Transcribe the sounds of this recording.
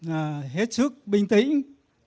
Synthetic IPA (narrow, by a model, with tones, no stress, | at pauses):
aː˨˩ɦe˦˥t̚sɨ˦˥k̚ɓï˧ŋ̟t̪ḭ̈˧˥ŋ̟